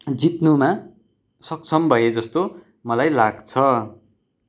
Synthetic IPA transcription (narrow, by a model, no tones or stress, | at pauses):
d͡zit̪numa | sʌk̚t͡sʰʌmbʱʌed͡zʌst̪o | mʌlajlaɡt͡sʰʌ